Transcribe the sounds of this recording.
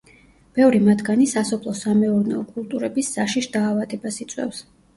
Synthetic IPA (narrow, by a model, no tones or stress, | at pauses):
b̥ɛvɾimad̪ɡanisasɔpʰlˠɔsamɛɔɾnɛ̰ɔkʼulˠt̪ʼuɾɛbisːaʃiʃd̪aːvad̪ɛbasit̪sʼwɛ̰fs